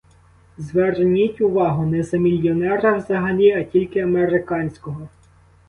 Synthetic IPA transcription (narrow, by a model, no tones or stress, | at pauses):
zʋɛrnʲitʲʊʋɑɦʊnɛzɐmʲilʲjɔnɛɾɐwzɐɦɐnʲiɐtʲilʲkɪɐmeɾɪkɑnʲsʲkɔɦɔ